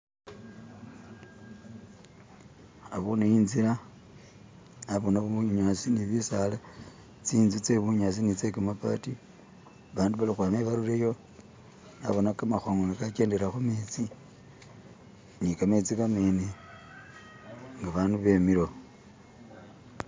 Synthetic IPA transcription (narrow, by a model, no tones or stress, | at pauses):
aβunejiːnziɾa | naβonaβuuɲasiniβisala | t͡siːnzut͡seβuɲasinit͡sekamapa̰ti | βaːnduβalixwaːmeβaɾulejo̞ | na̰βonakamaxoŋɡonikake̞ːndeɾaxumet͡si | nikamet͡sikamene | ŋɡaβaːnduβe̞miɾo̞